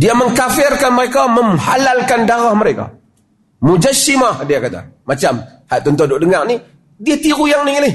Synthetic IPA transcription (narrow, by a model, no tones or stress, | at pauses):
diaməŋkafɪrkanməɾekaməmhalalkandaɣahməɾeka̰ | mud͡ʒasimahdiakat̪a̰mat͡ʃamhaʔt̪ɔnt̪ɔdʊʔdəŋarni | diat̪iɣujaŋnilɪh